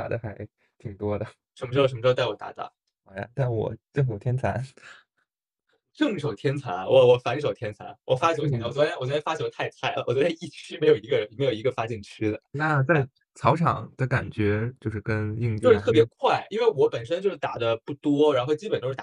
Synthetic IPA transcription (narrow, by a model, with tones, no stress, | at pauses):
a̰˨˩d̪ə˧xa˧˥ɪ | t̪ʰi˨˩ŋt̪wɔ˥d̪ə˨ | ʂə˧˥nmə˧ɻ̩˥˩ʂə˧˥m̩˧˥˧t̪a˥˩ɪɔ˨˩t̪a̰˧˥˩t̪a̰˨˩ | a˥˩ja̰˨˩t̪a˥˩nwɔ̰˨˩ʈ͡ʂɤ˥˩ŋʂo˨˩ʊt̪ʰjɛ˥nt͡sʰa˧˥n | ʈ͡ʂɤ˥˩ŋ˩ʂo˨˩ʊt̪ʰjɛ˥nt͡sʰa̰˧˥nwɔ˧˦wɔ˨˧˩fa˧˥ni˥˩ʂo˨˩ʊt̪ʰjɛ˥nt͡sʰa̰˧˥nwɔ˨˩fa˥t͡ɕt͡ɕ̪ʰwɔ˨˩wɔ˥wɔ˨˩ɔ˥˧fa˥t͡ɕt̪ʰa˥˧ɪt̪ʰa˥˩ɪ˩wɔ˨˩t͡ɕɥɛ˧˥d̪ə˥˧i˥˩t͡ɕʰy˥me˧˥ɪjo˨˩ʊi˧˥ɡə˧ə˧˥n˩me˧˥ɪo˨˩ʊi˧˥ɡə˧fa˥t͡ɕɛ˥˩nt͡ɕʰy˥d̪ə˨˩na˥˩t͡sa˥˩ɪ | t͡sʰɑ˧˥ʊʈ͡ʂʰɑ˨˩˦ŋd̪ə˧ka˨˩nt͡ɕɥɛ˧˥t͡ɕjo˥˧ʊʂɻ̩˥˩kə˥ni˥˧ŋ˥˧ʊ˥t̪ʰɤ˥˩pjɛ˧˥kʰwa˥˩ɪi˥nwe˥˩ɪwɔ˧˥pə˨˩nʂ̬ə˥nt͡ɕjo˥˧ʊʂɻ̩˥˩t̪a˨˩d̪ə˦pu˥˩t̪wɔ˥ɻa˧˥nxo˥˧ʊt͡ɕi˥pə˨˩nt̪o˥ʂɻ̩˥˩˨